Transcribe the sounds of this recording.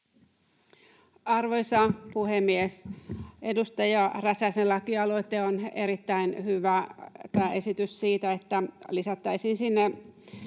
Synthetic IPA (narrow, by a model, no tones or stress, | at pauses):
ɑrʋo̞jsɑpuhemːiese̞dust̪ɑjɑræsæselɑkiɑlo̞it̪eoneɾit̪ːæinhyʋæt̪æːʔe̞sit̪yssiːt̪æet̪ːælisɑt̪ːɑisiːnsinːe